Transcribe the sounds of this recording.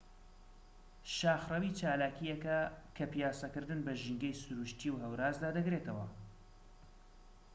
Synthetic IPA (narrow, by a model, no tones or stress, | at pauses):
ʃaːxrɐwiːt͡ʃaːlaːkijɛkɐkʰɐpijaːsɐkɨɾd̪ɨnbɐʒiŋɡɐjsʊɾuʃt̪ʰiwɦɐwɾaːzd̪aːd̪ɐɡɾeːt̪ʰɐwɐ